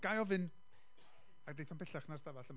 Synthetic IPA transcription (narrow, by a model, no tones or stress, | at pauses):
ɡ̥ajɔvɨn | aɡdejθɔnpɛɬaχnarstavaɬəm